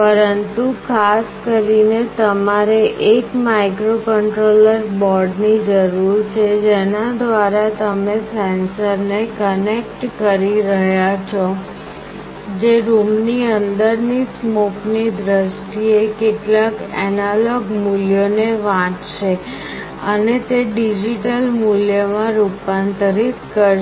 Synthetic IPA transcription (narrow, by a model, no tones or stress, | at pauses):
pəɾənt̪ukʰaskəɾinet̪əmaɾeʔekmaikɾokəɳʈɾoləɾbɔɾɖnid͡ʒəɾuɾt͡ʃʰed͡ʒenad̪ʋaɾat̪əmesɛnsəɾnekənek̚ʈkəɾiɾəɦjat͡ʃʰɔ | d͡ʒeɾumniənd̪əɾnismoknid̪ɾəʃʈiekeʈlakɛnalɔɡmuljoneʋãʈʃe | ənet̪eɖid͡ʒiʈəlmuljəmãɾupant̪ɾit̪kə